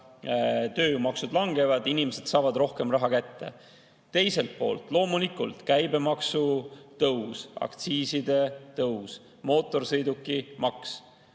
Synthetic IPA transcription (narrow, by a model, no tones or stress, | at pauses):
t̪ø̞ːmɑksud̪lɑŋɡe̞vɑd̪inimese̞d̪̥sɑːvɑd̪ro̞hke̞mrɑɦɑkæt̪ːe̞̰ | t̪e̞jse̞lt̪̚po̞̰ːlt̪ˑlo̞ːmulikːˑult̪kæjbe̞mɑksut̪ɤwsɑ̰kt̪siːsid̪e̞t̪ɤws | mo̞ːt̪ːˑo̞rsɤjd̪ukːimɑks